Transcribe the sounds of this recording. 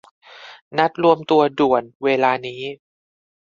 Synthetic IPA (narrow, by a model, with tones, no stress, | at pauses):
na˦˥t̪̚ɾu˧əmt̪u˧ɐdu˨˩ənweː˧laː˧niː˦˥